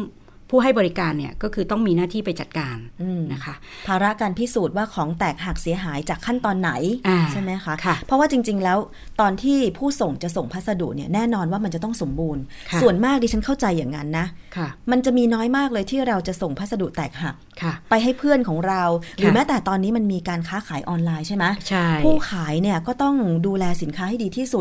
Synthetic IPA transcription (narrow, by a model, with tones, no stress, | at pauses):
ŋ | pʰuː˥˩ɦa˥˩jbɔː˧ɾi˦˥kaː˧nːi˥˩ɐkɔː˥˩kʰɯː˧t̪ɔ˥˩ŋmiː˧naː˥˩t̪ʰiː˥˩pa˧jt͡ɕa˨˩t̪̚kaː˧nʔɯː˧na˦˥kʰa˦˥ | pʰaː˧ɾa˦˥ʔkaː˧npʰi˦˥suː˨˩t̪̚waː˥˩kʰɔː˩˦ŋt̪ɛː˨˩k̚ɦa˨˩k̚si˩˦əɦaː˩˦jt͡ɕaː˨˩kʰːa˥˩nt̪ɔː˧nːa˩˦jʔt͡ɕʰa˥˩jma˦˥kʰa˦˥ʔkʰpʰɾɔ˦waː˥˩t͡ɕi˧ŋt͡ɕi˧ŋlɛː˦˥w | t̪ɔː˧nt̪ʰiː˥˩pʰuː˥˩so˨˩ŋt͡ɕa˨˩so˨˩ŋpʰa˦˥sa˧dṵ˨˩ni˥˩nɛː˥˩nɔː˧nwaː˥˩ma˧nt͡ɕa˨˩t̪ɔ˥˩ŋso˩˦mbuː˧nʰsu˨˩ənmaː˥˩k̚tʰiː˥˩a˦˥nkʰa˥˩wt͡ɕa˧jːaː˨˩ŋːa˦˥nːa˦˥kʰma˧nt͡ɕa˨˩miː˧nɔː˦˥jmaː˥˩k̚lɤː˧jt̪ʰiː˥˩ɾa˧wt͡ɕa˨˩so˨˩ŋpʰa˦˥t̪̚sa˧du˨˩t̪ɛː˨˩k̚ha˨˩k̚kʰpa˧jɦa˥˩jpʰɯ˥˩ənkʰɔː˩˦ŋɾa˧wɾɯː˩˦mɛː˦˥t̪ɛː˨˩t̪ɔː˧nːiː˦˥ma˧nmiː˧kaː˧nkʰaː˦˥kʰaː˩˦jʔɔː˧nlaː˧jt͡ɕʰa˥˩jma˦˥t͡ɕʰa˥ppʰuː˥˩kʰaː˩˦jni˥˩əkɔː˥˩t̪ɔ˥˩ŋduː˧lɛː˧si˩˦nkʰaː˦˥ha˥˩jdiː˧t̪ʰiː˥˩su˨˩t̪̚